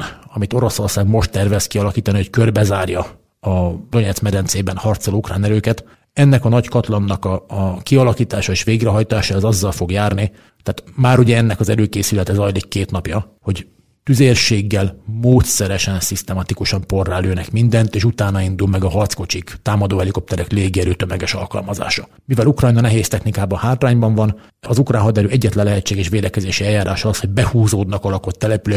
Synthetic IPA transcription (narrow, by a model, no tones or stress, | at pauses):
ɒmit̪o̞ɾo̞so̞rsaːɡmo̞ʃt̪ːɛrvɛskiɒlɒkiːt̪ɒniho̞ckørbɛzaːrjɒ | ɒd̪o̞ɲɛt̪smɛd̪ɛnt̪seːbɛnhɒrt̪solokraːnɛɾøːkɛt̪ | ɛnːɛkɒnɒɟkɒt̪lɒnːɒkɒkiɒlɒkiːt̪aːʃɒeːʃʋeːɡrɛɦɒjt̪aːʃaɛzɒzːɒlfo̞ɡjaːrni | t̪aːt̪maːɾuɟɛɛnːɛkɒzɛɾøːkeːsylɛt̪ɛzɒjlikːeːt̪nɒpjɒ | ho̞ɟ | t̪yzeːrʃeːɡːɛlmoːt̪sɛɾɛʃɛnsist̪ɛmɒt̪ikuʃɒmpo̞rːaːløːnɛkmind̪ɛnt̪eːʃut̪aːnɒind̪ulmɛɡɒɦɒrt̪sko̞t͡ʃikt̪aːmɒd̪oːɛliko̞p̚t̪ɛɾɛkleːɡiɛɾøːt̪ømɛɡɛʃɒ̰lkɒ̰lmɒza̰ːʃɒ | mivɛlukrɒjnɒnɛɦeːst̪ɛxnikaːbɒhaːt̪raːɲbɒɱvɒn | ɒzukraːnɦɒd̪ɛɾøːʔɛɟːɛt̪lɛnlɛɦɛtt͡ʃːeːɡɛʃʋeːd̪ɛkɛzeːʃiɛljaːɾaːʃɒɒsho̞ɟ̚bɛhuːzoːd̪nɒkɒlɒkot̪ːɛlɛpylø